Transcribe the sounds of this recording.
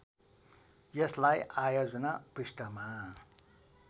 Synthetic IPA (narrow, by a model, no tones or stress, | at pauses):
jʌslajajod͡zʌnapisʈʌma